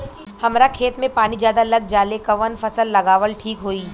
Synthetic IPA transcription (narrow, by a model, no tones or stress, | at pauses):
hɐmɾakʰeːt̪mẽpaːnid͡ʒjaːd̪alɐɡ̚d͡ʒaːlekɐʋənfɐsəlːɐɡaːʋəlʈʰiːkɦoːiː